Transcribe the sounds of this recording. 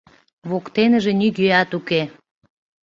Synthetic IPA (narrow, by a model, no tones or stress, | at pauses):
βokt̪enə̆ʒĕnyɡøɑt̪uke